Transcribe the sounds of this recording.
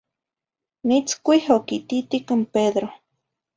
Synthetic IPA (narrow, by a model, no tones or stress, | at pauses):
nit͡skʷihokit̪it̪ikɨmpeðɾo